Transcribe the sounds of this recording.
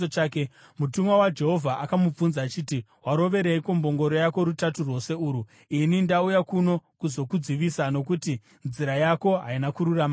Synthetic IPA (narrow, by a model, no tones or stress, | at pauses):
ot͡ʃaːkemutumwawad͡ʒe̞ɦo̞vʱaʔakamub͡vunzaːt͡ʃitiwaɾo̞ʋe̞ɾeikombo̞ŋɡo̞ɾo̞jako̞ɾutaturwo̞se̞uːɾu | inindaujakuno̞kuzo̞kud͡ziʋisano̞kuti | nziɾajako̞ɦainakuɾurama